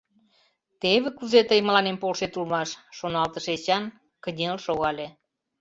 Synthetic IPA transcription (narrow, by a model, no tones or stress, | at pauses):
t̪eβĕkuzet̪əjmə̆lɑnempolʃet̪ulmɑʃːonɑlt̪əʃet͡ɕɑn | kənʲelʃoɣɑlʲe